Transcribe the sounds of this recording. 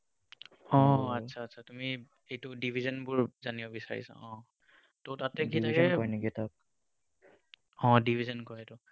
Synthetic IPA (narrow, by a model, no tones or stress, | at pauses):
ɔ̃atsʰaːtsʰatumi | ejtʊdibʱizɔnbʊɹzanibɔbisa̰ɹḭsa̰ʔɔ̃ | totatɛkitʰakɛjnikitak̚ | ɔ̃dibʱizɔnkɔjetʊ